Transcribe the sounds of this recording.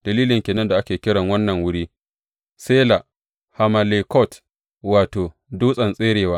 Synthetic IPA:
d̥ɐ˨liː˦lɪ˨ŋkʲeː˨nɐ˦nda˨ʔa˦kʲeː˨kʲɪ˦ɽɐ˨ŋwɐ˦nːɐ˨ŋwʊ˦ɽiː˦ | seː˦la˨ | ha˨ma˨le˨kɔ˦˨t | waː˨toː˨ | duː˦sʼɐ˨nsʼeː˦ɽeː˨waː˦

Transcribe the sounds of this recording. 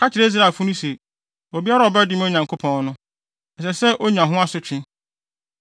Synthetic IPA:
kʰa˦t͡ɕʰɪ˨ɾe˦s̬ɾa˨fʊ˦nʊ̃˦se˨ | o˨bi˦a˦ɾa˨ɔ˨bɛ˦dɪ˦m˦o˦ɲã˨ŋkʰo˦pʰɔ̃˨n˦nʊ̃˦ | ɛ˨sɛ˨sɛ˦ʔo˦ɲã˨ɦʊ̃˦a˦sʊ˨t͡ɕʰᶣɪ̃˦

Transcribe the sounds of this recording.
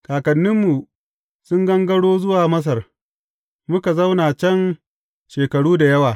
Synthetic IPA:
kaː˨kɐ˨nːɪ˦mːu˨ | sʊ˦ŋɡɐ˦ŋɡɐ˦ɽoː˦zʊ˦waː˨mɐ˦s̬ɐ˨r | mʊ˦ka˨zɐ˦wnaː˨t͡ʃɐ˦n | ʃeː˨kɐ˨ɽuː˦da˨jɐ˦waː˨

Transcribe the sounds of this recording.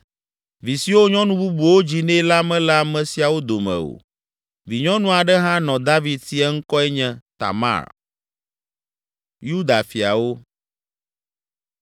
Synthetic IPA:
vi˨si˨wo˦ɲɔ̃˦nũ˦bu˦bu˨wo˦d͡ʑi˨nɛ̃˦la˦mɛ̃˦la˨mɛ̃˨si˨˦a˨wo˦d̪o˨mɛ̰̃˨o̰˨ | vi˨ɲɔ̃˦nũ˦a˨ɖɛ˦ɦã˦nɔ̃˨d̪a˦vi˨d̪̚ti˦ɛ˦ŋ̩˦kɔ˦ɛ˦ɲɛ̃˦t̪a̰˨ma̰˦˨ɾ | ju˦d̪a˨fi˨a̰˨wo˦

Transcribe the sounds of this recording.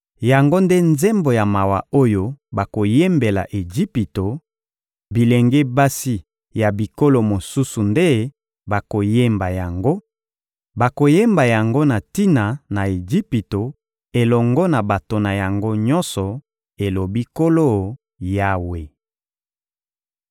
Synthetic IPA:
ja˨ŋɡo˦nde˦nze˦mbo˨ja˨ma˨wa˨o˦jo˦ba˨ko˨je˦mbe˨la̰˨ʔe˨d͡ʒi˦pi˨to˨ | bi˨le˨ŋɡe˦ba˦si˦ | ja˨bi˨ko˦lo˦mo˨su˦su˨nde˦ | ba˨ko˨je˦mba˨ja˨ŋɡo˦ | ba˨ko˨je˦mba˨ja˨ŋɡo˦na˨ti˦na˨na˨e˨d͡ʒi˦pi˨to˨ | e˨lɔ˨ŋɡɔ˦na˨ba˨to˨na˨ja˨ŋɡo˦ɲɔ˦nsɔ˨ | e˨lo˨bi˦ko˦lo˦ | ja˦we˨

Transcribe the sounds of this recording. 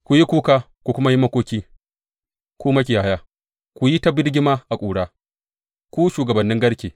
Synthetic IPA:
kʷu˨ji˦kʷuː˦kaː˦ | kʷu˨kʷʊ˦ma˦ji˦mɐ˦kʷoː˦kʲiː˦ | kʷuː˦mɐ˦kʲi˨jaː˨˦jaː˦ | kʷu˨ji˦ta˦bɪ˦ɽɡʲɪ˦maː˦ʔa˨kʷʼuː˨ɽaː˦ | kʷuː˦ʃuː˨ɡɐ˨bɐ˨nːɪ˦ŋɡɐ˦ɽkʲeː˨

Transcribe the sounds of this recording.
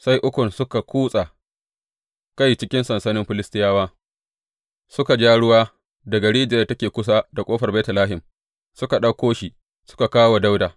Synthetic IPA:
sa˦jʔʊ˦kʷʊ˨nsʊ˦ka˨kʷuː˦sʼa˨ | ka˦jt͡ʃɪ˦kʲɪ˦nsɐ˨nsɐ˦nɪ˦mɸɪ˦lɪ˦stɪ˦jaː˦waː˦ | sʊ˦ka˨d͡ʒaː˦ɽʊ˦waː˦ | da˨ɡɐ˨ɽiː˦d͡ʒeː˨˦˨tɐ˦kʲeː˨kʷʊ˦s̬aː˦da˨kʷʼoː˦ɸɐ˨rbɛː˦tɐ˨laː˦ɦɪ˨m | sʊ˦ka˨ɗɐ˦kʷːoː˦ʃi˨ | sʊ̥˦ka˨kaː˦wa˨da˦wdaː˨

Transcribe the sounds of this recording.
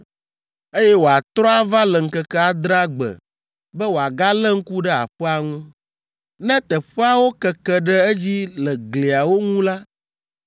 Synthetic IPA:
e˦jɛ˦wo˨a˨t̪ɾɔ˦a˦va˦lɛ˨ŋ̩˨kɛ˦kɛ˦a˨d̪ɾa˦ɡ͡bɛ̰˨ | bɛ˦wo˨a˨ɡa˦lɛ˦ŋ̩˦ku˦ɖɛ˦a̰˨ɸɛ˦a˨ŋũ˦ | nɛ̃˦t̪ɛ˨ɸɛ˦a˦wo˦kɛ˨kɛ˦ɖɛ˦ɛ˦d͡ʑi˦lɛ˨ɡle˨a˨wo˦ŋũ˦la˦

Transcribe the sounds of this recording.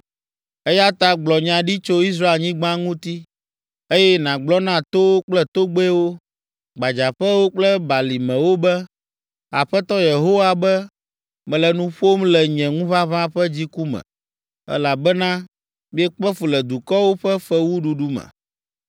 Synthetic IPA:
ɛ˦ja˦t̪a˦ɡ͡blɔ˨ɲã˨ɖi˦t͡ʃo˦i˦s̬ɾa˦e˨ɲĩ˦ɡ͡bã˦ŋũ˦t̪i˦ | e˦jɛ˦nã˨ɡ͡blɔ˦nã˦˨t̪o˦wo˦k͡plɛ˦t̪o˦ɡ͡be˦wo˦ | ɡ͡ba˨d͡ʒa˨ɸɛ˦wo˦k͡plɛ˦ba˨li˨mɛ̃˨wo˦bɛ˦ | a˨ɸɛ˦t̪ɔ˦je˨ɦo˦wa˨bɛ˦ | mɛ̃˨lɛ˨nũ˦ɸo˦mlɛ˨ɲɛ̃˨ŋũ˦vã˦βã˦ɸɛ˦d͡ʑi˦ku˦mɛ̰̃˨ | ɛ̰˦la˨bɛ˦nã˦ | mĩ˦ɛ˦k͡pɛ˦fu˨lɛ˨d̪u˨kɔ˦wo˦ɸɛ˦fɛ˦wu˦ɖu˨ɖu˦mɛ̰̃˨

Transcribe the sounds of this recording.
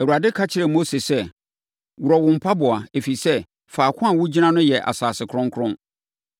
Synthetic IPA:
æ˨wu˨ɾa˨dɪ˦kʰa˦t͡ɕʰɪ˦ɾɛ˨mo˦se˨sɛ˦ | wu˨ɾɔ˨wʊ̃˨m̩˨pʰa˦bʊ˨a˨e˨fi˨sɛ˦ | faː˨kʰʷʊ̃˦a˨wʊ˦d͡ʑi˦nã˦nʊ̃˦jɛ˨ʔa̰˨saː˨sɪ˨kʰɾʊ̃˦ŋ˦kʰʊ˦ɾʊ̃˦n

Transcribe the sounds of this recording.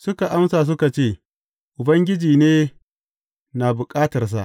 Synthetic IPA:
sʊ˦ka˨ʔa˦msaː˨s̬ʊ˦ka˨t͡ʃeː˦˨ | ʔʊ˨bɐ˦ŋɡʲɪ˦d͡ʒiː˨neː˦ | naː˨bʊ˨kʼaː˦tɐ˨rs̬a̰˨ʔ

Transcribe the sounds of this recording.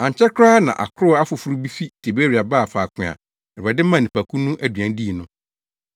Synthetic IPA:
ã˨ɲ˨t͡ɕʰɛ˦kʰɾaː˦nã˨ʔa̰˨kʰɾʊ˦a˦fʊ˨fu˦ɾu˦bi˦fi˦tʰe˨be˦ɾi˨a˨baː˦˨faː˨kʰɪ̃˨a̰˨ | ɛ˨a˨dɪ˦mã˦˨nĩ˨pʰa˨kʰũ˦nũ˦ʔæ˦dɥæ̃˨n˦di˦i˨nʊ̃˦

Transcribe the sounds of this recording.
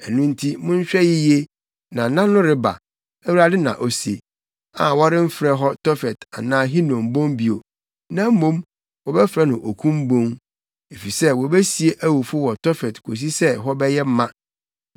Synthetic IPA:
ɛ˨nũ˦n̩˦tʰi˦mʊ̃˦ɲ̩˦ɕᶣɛ˦jɪ˦je˦ | nã˨˦nã˦nʊ̃˦ɾɪ˦ba̰˨ | ɛ˦wu˦ɾa˦dɪ˦nã̰˨ʔo˨se˨ | a̰˨wɔ˦ɾɪ˦m̩˦fɾɛ˦ɦɔ˦tʰɔ˦fɛ˨ta˨nãː˦ɦi˦nɔ̃˨m̩˨bõ˦mbi˨o˨ | nã˦m̩˦mõ˦m | wɔ˨bɛ˦fɾɛ˦nʊ̃˨ʔo˨kʰũ˦m̩˦bõ˦ŋ | e˨fi˨sɛ˦wɔ˨bɛ˦si˨e˦ʔæ˦wu˨fʊ˦wɔ˨tɔ˦fɛ˨tkʰo˨s̬i˦sɛ˦ɦɔ˦bɛ˦jɛ˦m̩˦mã˦

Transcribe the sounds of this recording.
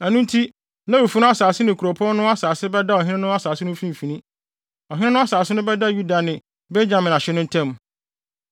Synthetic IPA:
æ˨nũ˦n˦tʰi˦ | nã˦wo˨fu˦nʊ̃˦a˦saː˨sɪ˦nɪ̃˨kʰu˨ɾo˨pʰɔ˦nʊ̃˦a˦saː˨sɪ˦bɛ˦da˦ɔ˨ɦɪ̃˦ɪ̃˦nʊ̃˦a˦saː˨sɪ˦nʊ̃˦fĩ˦m˨fĩ˨nĩ˦ | ɔ˨ɦɪ˦nɪ̃˦nʊ̃˦a˦saː˨sɪ˦nʊ̃˦bɛ˦da˦ju˦da˨nɪ̃˨ | be˦d͡ʑã˨mɪ̃˨na˨ɕɪ˦nʊ̃˦n̩˦tʰɛ̃˦˨m

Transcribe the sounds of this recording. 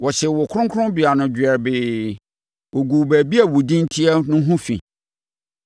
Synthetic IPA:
wɔ˨ɕɛ˨wɔ˨kʰʊ̃˦ŋkʰʊ̃˦bi˨a˨nʊ̃˨d͡ʑɛ˨ɾbɪː˨ | wɔ˨ɡu˨bæ˨bi˦æ˨wu˨dĩ˦n˦tʰi˦ɛ˦nʊ̃˦ɦũ˦fḭ˨

